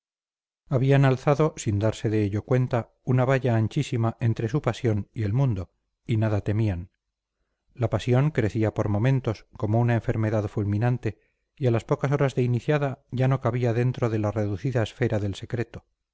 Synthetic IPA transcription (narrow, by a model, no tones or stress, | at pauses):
aβianalθaðo̞sind̪aɾse̞ðe̞eʎo̞kwe̞nt̪a | unaβ̞aʎaːnt͡ʃisimaʔe̞nt̪ɾe̞supasjo̞nie̞lmũnd̪o | inaðat̪e̞mian | lapasjo̞ŋkɾe̞θiapo̞ɾmo̞mẽ̞nt̪o̞sko̞mounaeɱfe̞ɾme̞ðaðfulmĩnant̪e̞ | ialaspo̞kas̬o̞ɾazðe̞iniθjaðaʝano̞kaβiaðe̞nt̪ɾo̞ðe̞lare̞ðuθiðaesfe̞ɾaðe̞lse̞kɾe̞t̪o̞